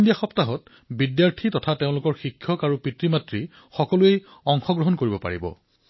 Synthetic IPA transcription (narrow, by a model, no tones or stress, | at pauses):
ndijaxɔptaɦɔt | bidjaɹtʰitɔtʰateʊ̃lʊkɔɹxikʰːjɔkaɹupɹitɹimatɹi | xɔkɔluej | ɔŋxɔɡɹɔɦɔnkoɹibɔpa̰ɹḭbɔ̰